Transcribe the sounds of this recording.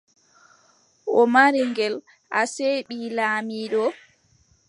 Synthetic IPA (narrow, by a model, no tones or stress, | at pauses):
ʔɔmaɾiŋɡɛl | ʔaseːɓilaːmiːɗɔ